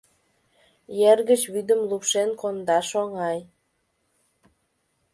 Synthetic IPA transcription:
jerɣət͡ɕβyd̪əmlupʃenkond̪ɑʃoŋɑj

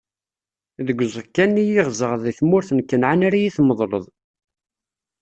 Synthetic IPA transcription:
ðəɡʷːzəkːænːijiʁzəʁðˤiθmʊɾθənkːənʕanaɾajiθməðˤlə̰ðˤ

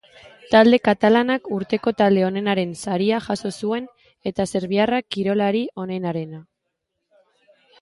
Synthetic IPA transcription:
t̪ald̪e̞kat̪alanakuɾt̪e̞ko̞t̪ald̪e̞o̞ne̞naɾe̞nsaɾiaʝaso̞sue̞n | e̞t̪ase̞ɾβiarakiɾo̞laɾio̞ne̞naɾe̞na

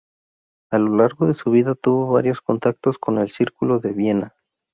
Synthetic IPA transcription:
alo̞laɾɣo̞ðe̞suβiðat̪uβo̞βaɾjo̞sko̞nt̪ak̚t̪o̞sko̞ne̞lsiɾkulo̞ðeβje̞na

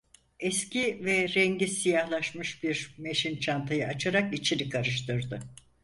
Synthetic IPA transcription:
ɛscivɛɾɛɲɟisijahlˠaʃmɯʃbiɾme̞ʃint͡ʃʰant̪ʰajɯʔat͡ʃʰaɾakit͡ʃʰinikʰaɾɯʃt̪ʰɯɾd̪ɯ

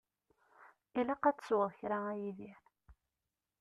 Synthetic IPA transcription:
ilæqɑt͡sswəðˤçɾaæjiðiɾ

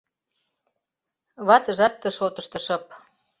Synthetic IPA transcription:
βɑt̪əʒɑt̪ːə̆ʃot̪əʃt̪ə̆ʃɤ̆p̚

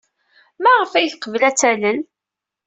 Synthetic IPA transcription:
mæʁəfæjθqəvlæt͡sːæləl

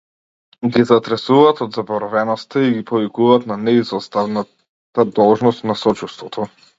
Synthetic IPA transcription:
ɡizat̪ɾɛsuvaːt̪ɔd̪zabɔɾɔvɛnɔst̪aiɡipɔvikuvaːt̪nanɛizɔst̪avna | t̪ad̪ɔlˠʒnɔst̪nasɔt͡ʃust̪vɔt̪ʰɔ

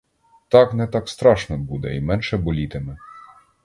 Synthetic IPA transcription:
t̪ɑknɛt̪ɑkst̪ɾɑʃnɔbud̪ɛ̰imɛnʃɛbɔlʲit̪ɪmɛ

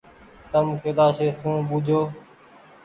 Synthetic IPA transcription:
t̪əmkʰeːd̪aːseːsũːbuːd͡ʒʱoː

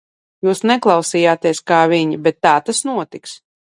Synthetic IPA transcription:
juːsnɛklˠɑwsijaːt̪iɛskaːvʲiɲibɛt̪ːaːt̪asnuɔt̪iks

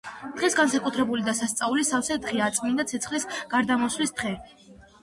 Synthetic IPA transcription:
d̪̥ʁɛsɡansakʼut̪ʰɾɛbulid̪asast̪sʼaulisafsɛd̪ʁɛat̪sʼmind̪at̪sʰɛt̪sχlisɡ̥aɾd̪amɔswlist̪χɛ

